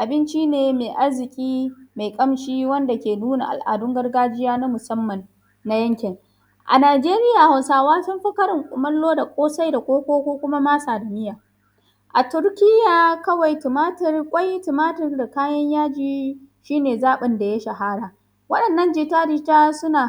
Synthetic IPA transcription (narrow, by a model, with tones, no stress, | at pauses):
ʔa˨bɪ˦nt͡ʃi˦neː˨ma˨jʔa˦rzɪ˨kʲʼiː˦ma˨jkʼɐ˦mʃiː˦wɐ˦nda˨kʲeː˨nuː˦na̰˨ʔa̰˨lʔa̰ː˨dʊ˦ŋɡɐ˦rɡaː˦d͡ʒɪ˦jaː˦na˦mʊ˨sɐ˦mːɐ˨nː | a˦jɐ˦ŋkʲɪ˨ŋ | ʔa̰˨naː˨d͡ʒeː˦ɾɪ˦jaː˨ha˨wsaː˨waː˦sʊ˦mɸɐ˦kɐ˦ɾɪ˨ŋkʷʼʊ˨mɐ˦lːoː˦da˨kʷʼoː˦sa˦jda˨kʷʼoː˦kʷoː˦kʷoː˦kʷʊ˦ma˦maː˦saː˨da˨mɪ˦jaː˨ | ʔa˨tʊ˦ɾkʲɪ˦jaː˨kɐ˦wa˨jtɪ˨maː˦tɐ˦rkʷʼa˦jtɪ˨maː˦tɪ˦rda˨kaː˦jɐ˦ɲjaː˦d͡ʒiː˦ | ʃiː˦neː˨zaː˦ɓɪ˨nda˨ja˦ʃɐ˨ɦa˦ɽaː˨ | wɐ˦ɗɐ˨nːɐ˦nd͡ʒɪ˨taː˦dɪ˦taː˦sʊ˦naː˨